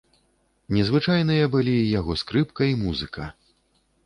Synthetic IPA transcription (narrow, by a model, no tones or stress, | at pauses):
nʲɛzvɨt͡ʂajn̪ɨjɐbɨlʲijaɣɔskɾɨpkɐimuzɨkʰɐ